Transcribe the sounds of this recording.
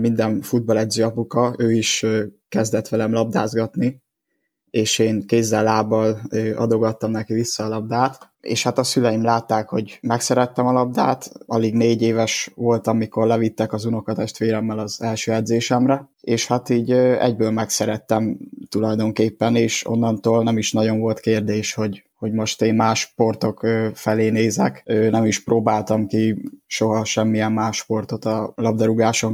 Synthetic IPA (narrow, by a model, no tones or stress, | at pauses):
mind̪ɛnfud̪̚bɒlɛd̪zøːɒpukɒøːiʃkɛzd̪ɛt̪ʋɛlɛmlɒb̚d̪a̰ːzɡɒt̪ni | eːʃeːŋkeːzːɛlːaːbːɒløːɒ̰d̪o̞ɡɒt̪ːɒmnɛkivisːɒːlɒb̚d̪aːt̪ | ḛːʃhat̪ɒsylɛjimlaːt̪ːaːkho̞ɟmɛksɛɾɛt̪ːɛmɒlɒb̚d̪aːt̪ɒliɡneːɟeːvɛʃʋo̞lt̪ɒmiko̞rlɛvit̪ːɛkɒzuno̞kɒt̪ɛʃt̪ʋeːɾɛmːɛlɒzɛlʃøːɛd̪zeːʃɛmrɛeːʃhat̪iːɟɛ̰ɟbøːlmɛksɛɾɛt̪ːɛmt̪ulɒjd̪o̞ŋkeːpːɛneːʃo̞̰nːɒnt̪oːlnɛmiʃnɒɟo̞nvo̞lt̪keːrd̪eːʃho̞ɟho̞ɟmo̞ʃt̪eːnmaːʃpo̞rt̪o̞køːfɛleːneːzɛkøːnɛmiʃproːbaːlt̪ɒmkiʃo̞ɦɒʃɛmːijɛmːaːʃpo̞rt̪o̞t̪ɒlɒbd̪ɒɾuɡaːʃo̞ŋ